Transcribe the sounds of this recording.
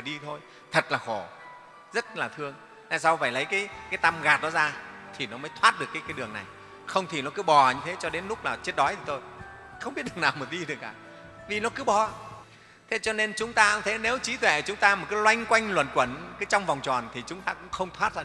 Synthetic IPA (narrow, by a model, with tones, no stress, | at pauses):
aː˨˩ɗi˧t̪ʰo˧j | t̪ʰə˨˩t̚laː˨˩xo˧˩ | zə˦˥t̚laː˨˩t̪ʰɨ˧əŋ | naː˧jsa˧wfaː˧˩jlə˨˦jkaː˨˦jkaː˨˦jt̪a˧mɣaː˨˩t̚ɗɔ˨˦zaː˧t̪ʰi˨˩nɔ˨˦məː˨˦jt̪ʰwaː˦˥t̚ɗɨ˨əkːaː˨˦jkaː˨˦jɗɨ˨˩əŋna̰˨˩j | xə˧wŋ͡mt̪ʰi˨˩nɔ˨˦kɨ˨˦ɓɔ˨˩ɲɨ˧t̪ʰe˨˦t͡ɕɔ˧ɗe˨˦nlʊ˦˥k͡p̚laː˨˩t͡ɕe˦˥t̚ɗɔ˨˦jt̪ʰi˨˩t̪o˧j | xə˧wŋ͡mɓi˦˥t̚ɗŋnaː˨˩wmo˨˩t̚ɗi˧ɗɨ˨˩əkːaː˧˩ | vi˨˩nɔ˨˦kɨ˨˦ɓɔ˨˩ | t̪ʰe˨˦t͡ɕɔ˧ne˧nt͡ɕʊ˨˦ŋ͡mt̪aː˧ha˧˩t̪ʰe˨˦ne˨˦wt͡ɕi˨˦t̪ʰwɛ̰˧˩˨t͡ɕʊ˨˦ŋ͡mt̪aː˧m̚˨˩ka˨˦jlwa˧jŋ̟kwa˧jŋ̟lwə̰˧˩nkwə˧˩nkaː˨˦jt͡ɕɔ˧wŋ͡mvwŋ͡mt͡ɕɔ˨˩nt̪ʰi˨˩t͡ɕʊ˨˦ŋ͡mt̪aː˧kʊ̰˧˥ŋ͡mxə˧wŋ͡mt̪ʰwaː˦˥t̚za˧